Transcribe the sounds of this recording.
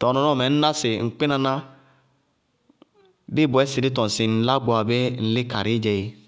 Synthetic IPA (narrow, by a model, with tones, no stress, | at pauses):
tɔ˨nɔ̃˨nɔ˦˨mɛ˨n̩˦nã˦sɪ˨ŋ̩˨k͡pɪ˦nã˧nã˦ | dɪ˦bʊ˨ɛ˦sɪ˨dɪ˦tɔ˨n̩˨sɪ˨n̩˨la˦ɡ͡bɔ˨˦a˨be˦n̩˦lɪ˦ka̰˨ɾɪ˦d͡ʒɛ˨je˦